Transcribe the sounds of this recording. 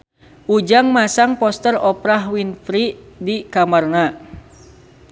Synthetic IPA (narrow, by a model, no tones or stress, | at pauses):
ʔud͡ʒaŋmasaŋpɔst̪ərɔpɾaɦwinfɾidikamarna